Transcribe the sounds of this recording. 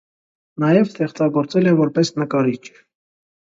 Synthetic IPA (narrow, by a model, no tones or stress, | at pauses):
nɑjɛvst̪ɛχt͡sɑɡɔɾt͡sɛlɛvɔɾpɛsnəkɑɾit͡ʃʰ